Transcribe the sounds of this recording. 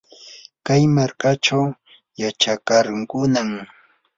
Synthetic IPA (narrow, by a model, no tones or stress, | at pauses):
kajmaɾkat͡ʃaw | jat͡ʃakaɾŋkʊnam